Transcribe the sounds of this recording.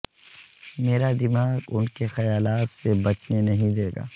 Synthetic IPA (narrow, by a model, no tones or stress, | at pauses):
meːɾad̪ɪmaːɡʊnkexɐjaːlaːt̪sebɐt͡ʃnenɐɦĩd̪eːɡa̰ː